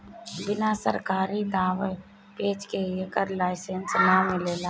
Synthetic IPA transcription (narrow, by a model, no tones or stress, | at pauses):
bɪnasə̰ɾkaːɾid̪aːʋe | peːd͡ʒkeekəɾlaːɪsensnamɪleːlaː